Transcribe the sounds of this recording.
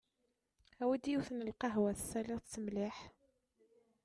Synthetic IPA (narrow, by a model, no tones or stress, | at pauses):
æwæd̪ijuθnəlqɑɦwæθsælɪʁt͡sːəmlɪħ